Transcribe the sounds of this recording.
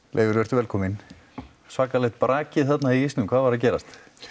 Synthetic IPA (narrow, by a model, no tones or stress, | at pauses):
lḛːjvɪɾvɛɾt̪ʏvɛlkʰɔːmɪn | svaːkalɛht̪̚pɾaːcɪθat̪naiist̪nʏmkʰvaːðvaɾ̥ac̬ɛːɾa̰st̪